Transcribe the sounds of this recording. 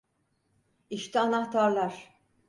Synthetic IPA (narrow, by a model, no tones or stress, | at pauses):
iʃt̪ʰɛanaht̪ʰaɾlˠaɾ̥